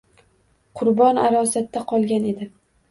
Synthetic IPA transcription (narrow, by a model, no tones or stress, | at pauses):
qʰʊɾbɒnaɾɒsat̪ʰːaqʰɒlˠɡʲane̞d̪ɪ